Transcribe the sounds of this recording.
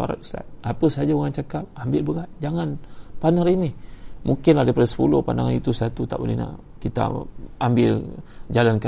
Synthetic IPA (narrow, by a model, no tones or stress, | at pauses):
a̰ɾa̰t̪st̪a̰t̪̚apəsad͡ʒauŋant͡ʃakap̚ambɪlbəɡat̚d͡ʒaŋanpanaŋɾimɛhmʔuŋkɪnlahdajpadasə̥pulʊhpandaŋanit̪usat̪ut̪a̰ʔbo̰lihna̰ʔ | kit̪a̰ambɪld͡ʒalanka